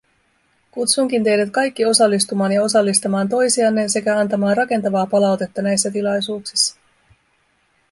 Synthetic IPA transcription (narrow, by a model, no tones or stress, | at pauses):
kut̪suŋk̟int̪e̞jdæt̪kɑjkːio̞sɑlːist̪umɑːnjɑo̞sɑlːist̪ɑmɑːnt̪o̞jsiɑnːe̞se̞kæɑnt̪ɑmɑːnrɑke̞nt̪ɑʋɑːpɑlɑwt̪e̞t̪ːɑnæjsːæt̪ilɑjsuːksi̥sːɑ̥